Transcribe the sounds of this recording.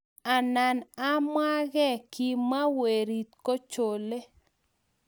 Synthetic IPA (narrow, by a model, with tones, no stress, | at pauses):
a˨na˨na˦mwa˦ɡɛ˦ki˨ma˦we˨ɾi˨tko˦t͡ʃo˨le˦